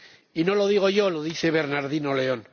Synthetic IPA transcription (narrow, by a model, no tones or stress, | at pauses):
inoloð̞iɣ̞oʝoloðiθeβeɾnaɾðino̞leon